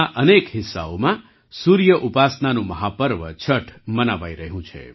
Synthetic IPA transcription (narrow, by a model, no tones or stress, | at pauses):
aʔənekɦɪsːa̰omã | suɾjəʔupasnanũməɦapəɾʋət͡ʃʰəʈʰmənaʋajɾəɦũt͡ʃʰḛ